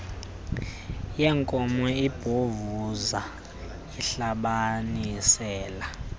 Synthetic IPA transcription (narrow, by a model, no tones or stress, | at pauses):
jɛːŋkʼɔmɔib̥ʱovuza | iɬaɓanisɛːla